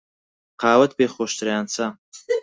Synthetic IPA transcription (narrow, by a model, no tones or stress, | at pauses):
qʰaːwɐt̪̚ʰbeχɔʃt̪ʰɾajaːnt͡sʰa